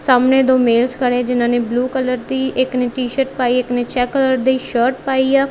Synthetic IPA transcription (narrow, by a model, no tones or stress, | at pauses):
saːmneːd̪oːmeːlskəɽed͡ʒɪnãːneːbluːkələɾd̪iːʔɪkneːʈiːʃəʈ̚paːiːɪkneːt͡ʃɛːkːələɾd̪iːʃəːɾʈpaːiːɛː